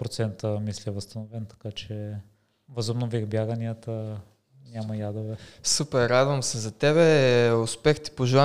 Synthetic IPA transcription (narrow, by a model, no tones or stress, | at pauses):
pɾot̪sɛnt̪əmislʲiɛvəst̪ɐnovɛnt̪ɐ̥kat͡ʃɛ | vəzobnovixbjaɡəniət̪ə | nʲamɐjad̪ovɛsupɛɾːad̪vɐmsɛzɐt̪ɛβɛʊspɛxt̪i̥poʒɛlˠa